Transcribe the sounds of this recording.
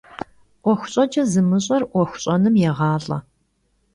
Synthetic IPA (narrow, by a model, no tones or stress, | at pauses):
ʔʷɔxʷʊ̥ɕʼɐd͡ʒɐzɨmɨɕʼɐrʔʷɔxʷʊ̥ɕʼɐnɨmjɛʁɑːɬʼɐ̰